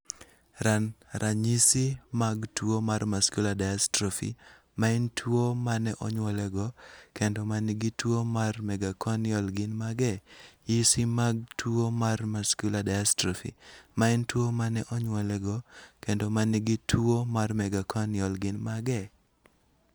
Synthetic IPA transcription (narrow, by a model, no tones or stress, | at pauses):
ɾanɾʔaɲisimaɡtwomarmaskuladajastɾofḭ | maɪntʰwomanɛʔɔɲwɔlɛɡɔkendɔmaniɡitwomarmɛɡakʰɔnɪɔlɡɪnmaɡɛjisimaɡtʰuomarmaskuladaastɾofḭmaɪntwomanɛʔɔɲwɔlɛɡɔkendɔmaniɡitʰuomarmɛɡakʰɔnjɔlɡɪnmaɡɛ